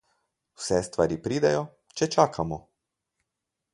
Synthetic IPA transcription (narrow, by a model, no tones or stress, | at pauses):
wsɛst̪ʋa̰ːɾipɾiːd̪ɛjɔ | t͡ʃɛt͡ʃaːkʰamɔ